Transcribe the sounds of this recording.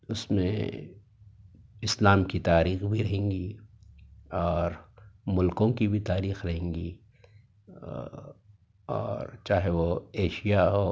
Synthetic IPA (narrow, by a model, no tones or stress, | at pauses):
ʊsmḛ̃ | ɪslaːmkit̪aːɾiːxbʱiɾɐɦẽːŋɡi | ɔːɾmʊlkõkibʱit̪aːɾiːxɾɐɦẽːŋɡḭ | ɔ̰ːɾt͡ʃaːɦeʋoeːʃijaɦo